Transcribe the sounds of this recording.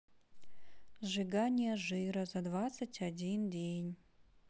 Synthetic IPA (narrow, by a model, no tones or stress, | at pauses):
ʐɨɡanʲijɐʐɨjɾɐzad̪vat̪sɨtʲʰadʲindʲejnʲ